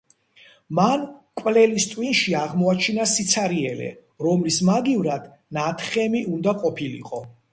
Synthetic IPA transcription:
mankʼwlɛlist̪ʼwinʃiaʁmɔat͡ʃʰinasit̪sʰaɾiɛlɛ̰ | ɾɔmlismaɡivɾad̪̥ | nat̪ʰχɛmiʔund̪aqʼɔpʰilḭqʼɔ

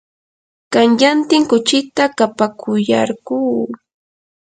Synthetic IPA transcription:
kaŋʎant̪ɪŋkʊt͡ʃɪt̪akapakʊja̰ɾɢuː

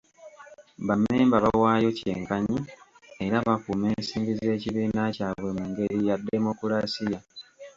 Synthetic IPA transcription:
βamːeːmbaβawaːjo̞ce̞̰ːŋkaɲi | e̞ɾaβakume̞ːnsiːmbize̞ːciβiːnacaːβwe̞muŋɡe̞ɾijadːemo̞kulasija

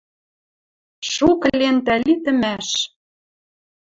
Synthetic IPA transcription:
ʃuklent̪ælit̪ə̆mæʃ

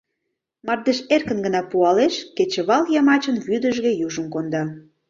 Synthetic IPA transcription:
mɑrd̪eʃerkə̆nɡə̆nɑpuɑleʃket͡ɕĕβɑljɑmɑt͡ɕə̆nβyd̪ə̆ʒɣĕjuʒə̆mkond̪ɑ

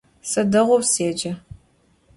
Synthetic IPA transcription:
sɐdɐʁʷɔwseːd͡ʒɐ

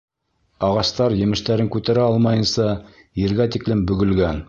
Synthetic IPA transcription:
ɑʁɑst̪ɑɾjɘ̆mɘ̆ʃt̪æɾɘŋkʉt̪æɾæɑlˠmɑjɤ̆nsɑ | jɘ̆ɾɡæt̪iklɘmbɵ̆ɡɘ̆lɡæn

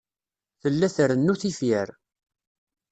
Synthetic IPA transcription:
θəlːæθəɾənːuθifjəɾ

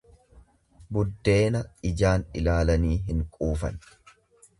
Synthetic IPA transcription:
bʊd̪ːe̞ːnɐɪd͡ʒaːnɪlaːlɐniːɦɪŋkʼuːfɐ̰n

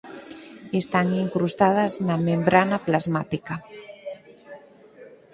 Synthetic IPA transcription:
est̪aŋiŋkɾust̪að̞aznamẽmbɾanaplazmat̪ika

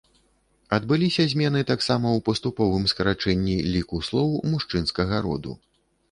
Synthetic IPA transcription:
ɐd̪̚bɨlʲisʲɐzʲmʲɛnɨt̪aksamɐwpɐst̪upɔvɨmskɐɾat͡ʂɛnʲːilʲikuslˠɔwmuʂt͡ʂɨn̪skɐɣɐɾɔ̰d̪ṵ

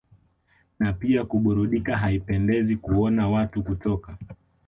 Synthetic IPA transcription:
napiakuɓuɾuɗikaɦaipɛndɛzikuɔnawatukutɔka

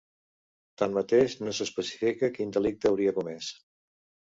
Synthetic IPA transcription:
t̪anmət̪eʃnosəspəsi̥fikəkind̪əlik̚t̪əːwɾiəkumɛs

